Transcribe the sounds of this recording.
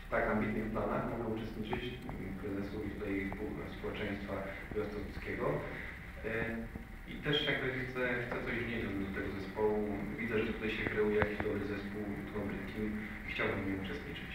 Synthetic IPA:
t̪akambʲit̪nɨxplanaxmaɡaut͡ʂɛst̪ɲit͡ʂɘt͡ɕ | pɾɛzɛsut̪ut̪ajspuspɔwɛt͡ʂɛ̃j̃st̪fa | vat̪sɔpʲit̪skʲɛɡɔ | ḭt̪ɛʂjaɡbɘxt̪sɛxt̪sɛt̪ɔʑvɲɛd͡ʑɔd̪ɔut̪ɛɡɔzɛspɔwuvʲid̪zɛʐɛt̪ut̪ajɕɛkɾɛwjakʲiʑd̪ɔbɘzɛspuwut̪uamɾɪ̰t̪kʲim | ixt͡ɕawbɘmjɲɛut͡ʂɛst̪ɲit͡ʂɘt͡ɕ

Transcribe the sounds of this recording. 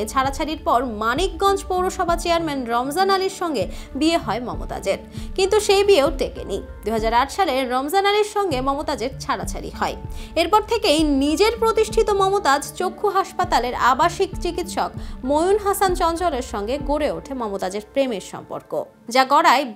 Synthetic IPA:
et͡ɕʰaɽat͡ɕʰaɾiɾpɔɾmanik̚ɡɔnd͡ʑpowɾoʃɔbʱat͡ɕeaɾmɛnɾɔmzanaliɾʃɔŋɡe | bieɦɔemɔmo̰t̪a̰d͡ʑeɾ | kint̪uʃejbieot̪ekḛnḭ | d̪uɦad͡ʑaɾaʈʃaleɾɔmzanaliɾʃɔŋɡemɔmot̪ad͡ʑeɾt͡ɕʰaɽat͡ɕʰa̰ɾḭhɔeeɾpɔɾt̪ʰekejnid͡ʑeɾpɾot̪iʃʈʰit̪omɔmot̪ad͡ʑt͡ɕokʰːuɦaʃpat̪aleɾa̰baʃikt͡ɕikit̪ʃɔkmojunɦasant͡ɕɔnt͡ɕɔleɾʃɔŋɡeɡoɾeoʈʰemɔmot̪ad͡ʑeɾpɾemeɾʃɔ̰mpo̰ɾko̰ | d͡ʑaɡɔɽae

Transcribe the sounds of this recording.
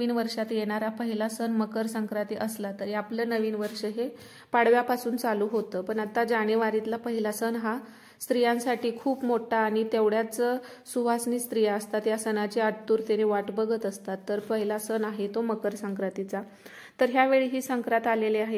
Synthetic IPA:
iːnʋəɾʂat̪jeɽ̃aɾapəɦilasənməkəɾsəŋkɾat̪iʔəslat̪əɾiaplənəʋiːnʋəɾʂəɦe | paɽ̤ʋjapasuːnt͡saluːɦot̪əːpəɳat̪ad͡ʑaɽ̃eʋaɾit̪lapəɦilasənɦa | st̪ɾijãnsaʈiːkʰuːpmoʈʰaːɽ̃it̪eʋɽjat͡sə | suʋasniːst̪ɾijaəst̪at̪jasənat͡ɕeaɽt̪uːɾt̪eneʋaʈbəɡʱət̪əst̪at̪ːəɾpəɦilasənaɦet̪oməkəɾsəŋkɾat̪it͡sa | t̪əɾɦjaʋeɭiːɦiːsəŋkɾat̪aleleaɦe

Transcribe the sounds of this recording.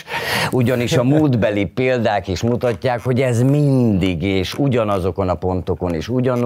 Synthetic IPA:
uɟɒniʃɒmuːld̪bɛlipeːld̪aːkiʃmut̪ɒcːaːkho̞ɟɛzmind̪iɡeːʃuɟɒnɒzo̞ko̞nɒpo̞nt̪o̞ko̞niːʃuɟɒn

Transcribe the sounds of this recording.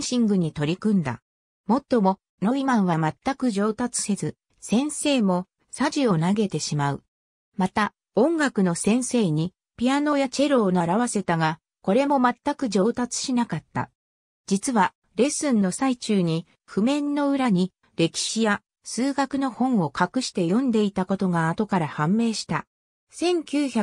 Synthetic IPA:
ɕĩŋɡɯ̟ɲ̟it̪o̞ɾʲikɯ̟̃nd̪a̰ | mo̞t̪ːo̞mo̞ | no̞imãɰ̃βamat̪ːakɯ̟ʑo̞ːt̪at͡sɨ̥se̞zɨ | sẽ̞ɰ̃se̞ːmo̞ | saʑio̞naɡe̞t̪e̞ɕimaɯ̟̰ | mat̪a | õ̞ŋɡakɯ̟no̞sẽ̞ɰ̃se̞ːɲ̟i | pʲiano̞jat͡ɕe̞ɾo̞ːnoaɾaβase̞t̪aɡa | ko̞ɾe̞mo̞mat̪ːakɯ̟d͡ʑo̞ːt̪at͡sɨ̥ɕinakat̪ːa̰ | d͡ʑit͡sɨβa | ɾe̞sɨ̃nːo̞sait͡ɕɨːɲ̟i | ɸɯ̟mẽ̞nːo̞ɯ̟ɾaɲ̟i | ɾe̞kʲi̥ɕija | sɨːɡakɯ̟no̞hõ̞ɰ̃o̞kakɯ̟ɕi̥t̪e̞jõ̞nd̪e̞it̪ako̞t̪o̞ɡaːt̪o̞kaɾahãmːe̞ːɕi̥t̪a | sẽ̞ŋkʲɨːça

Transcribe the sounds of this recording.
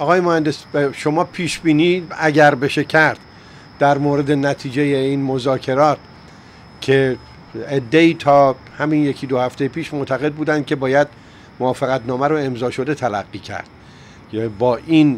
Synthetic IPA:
ɒɣɒːjemohænd̪esʃo̞mɒːpʰiːʃbiːniːæɟæɾbe̞ʃecʰæɾd̪̥ | d̪æɾmoːɾed̪e̞næt̪ʰiːd͡ʒejeiːnmo̞zɒːkʰe̞ɾɒːt̪ | cʰe̞ | ed̪ːe̞iːt̪ʰɒː | hæminje̞kʰid̪ohæft̪ʰejepʰiːʃmoʔt̪ʰæɣe̞d̪̚buːd̪ænd̪̚kʲʰe̞bɒːjæd̪̚ | moɒːfeɣæt̪nɒːmæɾoe̞mzɒːʃo̞d̪e̞t̪ʰælæ̰ɢːiːcʰæ̰ɾd̪̥̚ | bɒːʔiːn

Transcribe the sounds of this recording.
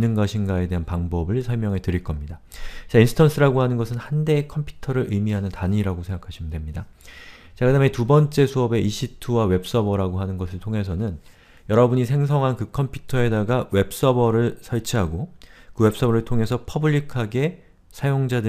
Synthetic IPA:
nːɯnɡaɕʰinɡae̞de̞ɦanpaŋbʌbɯɭsʰʌɭmjʌŋɦe̞tɯɾiɭk͈ʌmɲidat͡ɕainsʰɯ̥tʰʌns͈ʰɯɾaɡohanɯnɡʌsʰɯnhande̞ːkʰʌmpʰju̥tʰʌɾɯɾʔɯjmiɦanɯntaɲiɾaɡosʰe̞ŋɡakʰaɕʰimɯndwemɲida | t͡ɕekadametubʌnt͡ɕ͈e̞sʰuʌbe̞iɕʰitʰuwawe̞p̚s͈ʌbʌɾaɡoɦanɯnɡʌsʰɯɭtʰoŋɦe̞s̬ʰʌnɯn | jʌɾʌbuɲisʰe̞ŋsʰʌŋɦankɯkʰʌmpʰjutʰʌe̞daɡawe̞p̚s͈ʌbʌɾɯɭsʰʌɭt͡ɕʰiɦaɡokɯwe̞p̚s͈ʌbʌɾɯɭtʰoŋe̞sʰʌpʰʌbɯʎːikʰaɡe̞ | sʰajoŋd͡ʑadɯ

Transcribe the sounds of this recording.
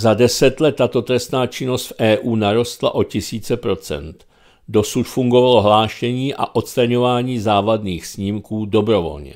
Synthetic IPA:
zadɛsɛt̪lɛt̪ːat̪o̞t̪ɾɛst̪naːt͡ʃɪno̞st̪fʔɛːʔuːnaɾo̞st̪la̰ʔo̞cɪsiːt͡sɛpɾo̞t͡sɛ̰nt̪ | do̞sut̪fuŋɡo̞valo̞ɦlaːʃɛɲiːʔa̰ʔo̞t̪st̪ɾaɲo̞vaːɲiːzaːvadniːxsɲiːmkuːdo̞bɾo̞vo̞̰lɲɛ̰

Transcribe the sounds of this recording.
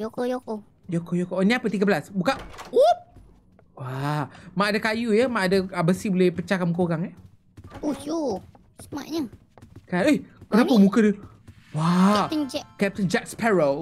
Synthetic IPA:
jokojoko | jokojokoʔniapət̪iɡəbəlasbukao | wamaʔadakajujəmãʔadaəbəsibolɛhpət͡ʃakanmukaoɣaŋə | ojo | səma̰ʔɲə | kaehkənapəmũkədə | wat̪ənd͡ʒɛkɛp̚t̪ənd͡ʒɛk̚spɛɹəl

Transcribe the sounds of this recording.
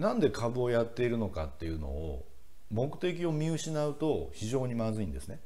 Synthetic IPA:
nãnd̪e̞kʰabɯ̟ojat̪ːe̞iɾɯ̟no̞kat̪ːe̞jɯ̟no̞̰ː | mo̞kɯ̟̥t̪e̞k̬ʲio̞mʲiɯ̟ɕinaɯ̟t̪o̞çiʑo̞ːɲ̟imazɨĩnd̪e̞sɨne̞

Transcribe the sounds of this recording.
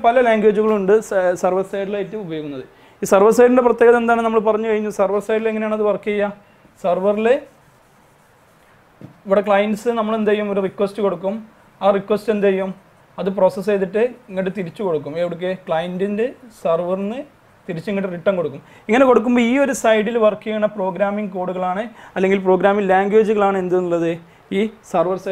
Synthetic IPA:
pɐlɐlaːŋɡweːd͡ʑuɣɐɭuɳɖɨsɐrʋɐrsɐjɖilajitːɨubɐjo̞ːɣunːɐðɨ | iːsɐrʋɐrs̬ɐjɾinde̞prɐt̪ːjeːɣɐðend̪aːɳɨnɐmːɐɭpɐrɐɲːukɐɻiɲːusɐrʋɐrsɐjɾileŋɐejaːɳɐðɨpɐrkːijɐja | sɐrʋɐrile | iʋiɽekɭɐjɐnɖsɨnɐmːɐɭe̞nd̪ɐjumo̞ɾurikːʋestɨko̞ɽukːum | aːrikːʋestend̪ɐɐjum | ɐðɨp̬ro̞ːsɐs̬eðiʈːɨiŋːɐʈːɨt̪iɾit͡ɕːuko̞ɽukːumeʋiɽuk̬ːekɭɐjɐndindesɐrʋɐrnːɨ | t̪iɾit͡ɕːueŋːiʈːriʈːɐmko̞ɽukːum | iŋːɐne̞ko̞ɽuk̬ːumboːiːo̞ɾusɐjɽilʋɐrkːijɐɳɐpro̞ːɡɾaːmiŋɡko̞ːɽuɣɐɭaːɳɨɐlːe̞ŋɡilpro̞ːɡɾaːmiŋlaːŋɡweːd͡ʑuɣɐɭaːɳɨe̞nd̪unːulːɐðɨ | iːsɐrʋɐrs

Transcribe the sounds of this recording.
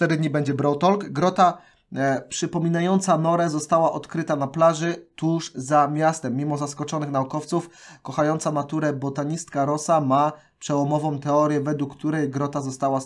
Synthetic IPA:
ft̪ɛd̪ɘd̪ɲibɛɲd͡ʑɛbɾɔwt̪ɔlkɡɾɔt̪a | pʂɘpɔmʲinajɔnt̪sanɔɾɛzɔst̪awaʔɔt̪kɾɘt̪anaplaʐɘt̪uʂzamʲjast̪ɛmːʲimɔzaskɔt͡ʂɔnɘxnaukɔft̪sufkɔxajɔnt̪samat̪uɾɛbɔt̪aɲist̪̚kaɾɔsama | pʂɛwɔmɔvɔ̃w̃t̪ɛɔɾʲjɛvɛd̪wukːt̪uɾɛjɡɾɔt̪azɔst̪awa

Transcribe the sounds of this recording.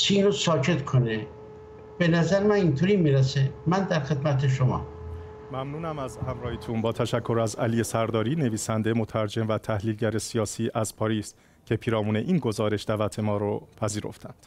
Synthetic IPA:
t͡ʃʰinosɒːcʰe̞t̪kʰone | b̥enæzæɾemænint̪ʰoɾiːmiɾæsemænd̪æɾxe̞d̪mæt̪ʰeʃomɒ̰ː | mæmnuːnæmæzhæmɾɒːhiːt̪ʰunbɒːt̪ʰæʃækʰːo̞ɾæzæliːje̞sæɾd̪ɒːɾiːne̞viːsænd̪emot̪ʰæɾd͡ʒe̞mvæt̪ʰæhliːlɟæɾe̞sijɒːsiːʔæz̥pʰɒːɾiːs | cʰe̞pʰiːɾɒːmuːne̞ʔiːnɡo̞zɒːɾe̞ʃd̪̥ævæt̪ʰe̞mɒːɾopʰæziːɾo̞̰ft̪ʰænd̪̥

